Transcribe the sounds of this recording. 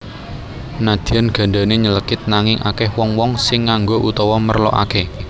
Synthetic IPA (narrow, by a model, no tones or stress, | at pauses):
nad̪̥i̤anɡ̥ä̤ɳɖa̤neɲələkɪt̪̚naŋɪŋʔa̰kɛhwɔŋwɔŋsɪŋːaŋɡoʔut̪ɔwɔmərlɔ̰ʔa̰ke